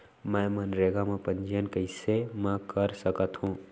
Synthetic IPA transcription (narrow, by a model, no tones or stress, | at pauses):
mɛ̃mənɾeːɡamẽpə̃ɲd͡ʒijənkeɪsemɛ̃kəɾsəkət̪ɦũː